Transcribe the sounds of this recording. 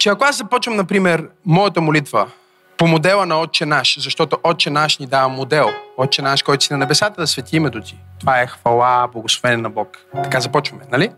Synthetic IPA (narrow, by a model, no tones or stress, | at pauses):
t͡ʃɛɐkoaszɐpɔt͡ʃvɐmnɐpɾimɛɾmɔjət̪əmolit̪və | pomod̪ɛlˠənɐɔt̪̚t͡ʃɛnaʃzɐʃt̪ɔt̪oʔɔt̪̚t͡ʃɛnaʃnʲid̪avɐmod̪ɛlˠɔt̪̚t͡ʃɛnaʃkɔjt̪ʊ̥sinɐnɛbɛsat̪əd̪ɐsvɛt̪ʲimɛd̪ot̪ʲi̥t̪ovaɛxvɐlˠablˠɐɡoslˠovɛnɛnɐbɔkt̪ɐ̥kazɐpɔt͡ʃvɐmɛnɐli